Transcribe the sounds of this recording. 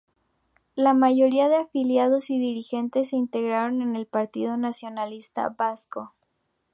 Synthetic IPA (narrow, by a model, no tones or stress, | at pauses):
lamaʝo̞ɾiaðe̞afiljað̞o̞siðiɾixe̞nt̪e̞s̬ːeint̪e̞ɣɾaɾo̞ne̞ne̞lpaɾt̪ḭðo̞nasjo̞nalist̪a̰basko